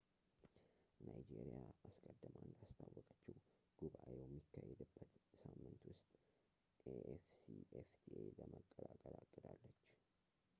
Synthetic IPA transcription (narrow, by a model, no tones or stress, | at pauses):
najd͡ʒeɾijaʔaskʼəd̪ːəmand̪ast̪ʰawːɔkʼət͡ʃːiw | ɡ̥uβaʔewjɛmːikʰːajɛd̪ɨbːət̪samːɨnt̪wʊst̪ʼ | eʔefsieft̪ʰieləməkʼːəlakʼəlakʼːəd̪alːət͡ʃː